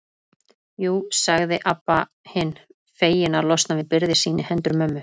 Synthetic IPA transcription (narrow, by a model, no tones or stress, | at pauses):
juːsaɣðɪʔapːa | hɪnː | feːjɪnaɾlɔst̪navɪðpɪɾðɪsiːnɪhɛnt̪ɾʏmœːmːʏ